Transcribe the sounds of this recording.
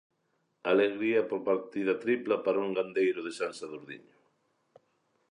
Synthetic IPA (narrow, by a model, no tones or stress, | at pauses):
aleɣɾiɐpoɾpaɾt̪iðɐt̪ɾiplapaɾuŋɡand̪ejɾʊðesansaðuɾðḭɲʊ